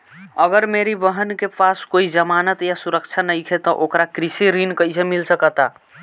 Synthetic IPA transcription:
əɡəɾmeɾibəɦənkepaskoid͡ʒəmanət̪jasuɾəkt͡ʃʰanəjkʰet̪ɔʔokɾakɾisiɾinkəjsʰemilsəkət̪a

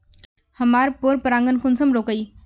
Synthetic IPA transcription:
hɐmaːɾpoːɾpəɾãːŋɡənkʰʊnsəmɾoːkəiː

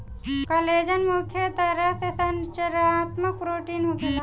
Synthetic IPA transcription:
kəled͡ʒənmukʰjət̪əɾəɦt̪esənt͡ʃəɾat̪mək̚pɾoʈinɦuket̪a

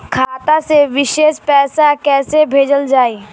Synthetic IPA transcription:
kʰaːt̪aseʋɪʃeːʃpɛːsakɛːsebʱeːd͡ʒəld͡ʒaːiː

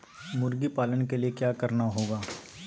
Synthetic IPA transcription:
mʊɾɡipaːlənkeliekjaːkɐɾnaɦoːɡaː

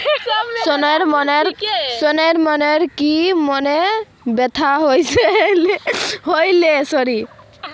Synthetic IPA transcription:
sɔnɔɾmɔneɾsɔnɔɾmɔneɾkimɔne | bet̪ʰaɦojsʰelɦojlesɔɾi

